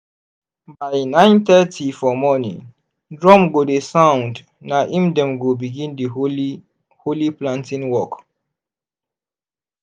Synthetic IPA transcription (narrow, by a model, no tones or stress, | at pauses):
baɪnãɪ̃nt̪ɛtʰifɔmɔnḭ̃ŋ | dɹɔ̃mɡodesãw̃nd | naʔĩmdɛ̃mɡobiɡĩndi | holiplãntĩnwɔk